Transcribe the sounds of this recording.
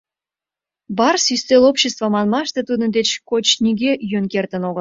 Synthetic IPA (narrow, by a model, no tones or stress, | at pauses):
bɑrsyst̪elopɕest̪vəmɑnmɑʃt̪et̪ud̪ənd̪et͡ɕkot͡ɕnʲiɡʲeʔjønkert̪ənoɣəl